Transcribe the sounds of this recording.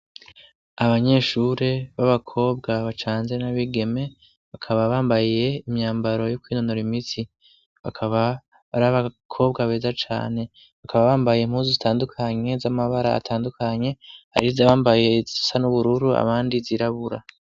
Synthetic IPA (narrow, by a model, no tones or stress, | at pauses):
aβaɲe̞ːʃuɾe̞βaβakʰo̞ːb̚ɡaβat͡ʃaːnze̞naβiɡe̞me̞ | βakʰaβaβaːmbajije̞imɲaːmbaɾo̞jokwiːnonoɾimiti | βakʰaβa | βaɾaβakʰo̞bɡaβe̞ːzat͡ʃa̰ːne̞ | βakaβaβaːmbajem̥huːzuzitaːndukʰaɲe̞zamaβaɾa̰a̰tʰaːndukʰaɲe̞a̰ɾizaβaːmbaje̞zisanuβuɾuɾua̰βaːndiziɾaβuɾa̰